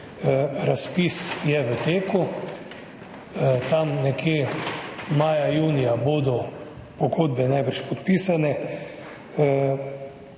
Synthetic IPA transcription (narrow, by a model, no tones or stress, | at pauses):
ɾaspisjɛʋət̪eːku | t̪amnɛkʰje | maːjajuːnijaboːd̪ɔ | pɔɡoːd̪̚bɛnajbəɾʃpɔt̪piːsanɛ